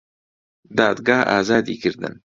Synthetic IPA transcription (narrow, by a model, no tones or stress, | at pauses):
d̪ɑːd̪ɡɑːha̰ːzɑːd̪ḭːkɨɾd̪ɨ̰n